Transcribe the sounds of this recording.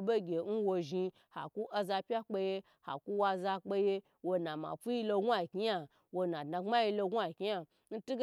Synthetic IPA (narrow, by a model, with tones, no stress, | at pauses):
be˦ɡʲe˨n̩˦wo˧ʒi˧ | ha̰˨ku˦ʔa˧za˧pʲa˦k͡pe˧je˦ | ha̰˨ku˦wa˧za˧k͡pe˧je˦ | wo˧na˨ma̰˨fu˦ji˦lo˧ɡu˦a˨kʲi˦ja˨ | wo˨˧na˨dna˨ŋ͡ma˦ji˧lo˧ɡʷa˨kʲi˦ja˦ | n̩˦tu˦ɡ